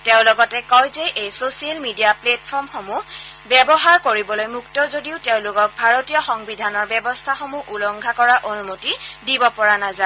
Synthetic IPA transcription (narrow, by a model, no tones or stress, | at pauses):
teʊ̃lɔɡɔtɛkɔjzɛʔejsosialmidijaplet̚pʰɔɹmxomu | bɛbɔɦaɹkoɹibɔlojmuktɔzodiʊteʊ̃lʊkɔk̚bʱaɹotijɔxɔŋbidʱanɔɹbɛbɔstʰaxomuʔulɔŋɡʱakɔɹaʔonumotidibɔpɔɹanaza